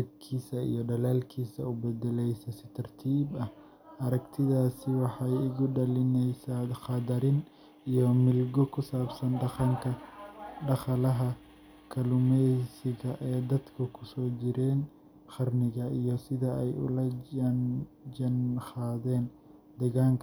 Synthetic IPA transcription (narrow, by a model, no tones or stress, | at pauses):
dɛb̚kʰiːsɐḭjɞɖɐlaːlkʰiːsɐʊbɛdɛlɛjsɐsɪ̥t̪ʰɐrt̪ʰiːbɐh | ɐɾɐɡt̪ʰɪðaːsɪwɑħɑjɪɣʊɖɐlɪnɛjsaχɑd̪ɐɾɪn | ijɔmɪlɡɔkʰʊsaːbsɐnŋkʰɐɖɐχɐlɐɦɐ | kʰɐlʊmɛsɪɣɐʔɛːd̪ɐd̪kʰɐkʰʊ̥sɔːd͡ʒɪɾɛːn | χɑrnɪɣɐijɞsɪðɐɛjʊ̰lɐ | d͡ʒɐnχaːðɛːn | d̪̥ɛɣaːŋkʰɐ